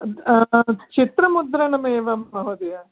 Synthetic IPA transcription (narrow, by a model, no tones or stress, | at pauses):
kt͡ʃit̪ɾɐmud̪ɾɐnɐmɐeːʋɐmɐɦod̪ɐjɐ